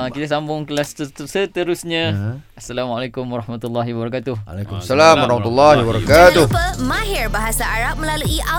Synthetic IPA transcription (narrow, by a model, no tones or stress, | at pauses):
kit̪asambʊŋkəlassət̪əɾusɲãasːalamalekʊmwaɾɑhmat̪ulːaɦibəɾakat̪ʊhekumsalamwaɾɑhmat̪ulːɑɦibaɾakat̪ʊəmaɦirbaɦasaaɾap̚mə̃laluiʔa